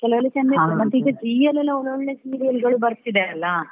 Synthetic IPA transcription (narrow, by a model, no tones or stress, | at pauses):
kɛlɐʋɐlːut͡ʃɐnd̪ɐmɐnt̪ːeiːɡɐd͡ʒiːelɐlːɐonuɭːinesiːɾiɐlɡɐɭubɐɾt̪ːid̪eɐlːɐ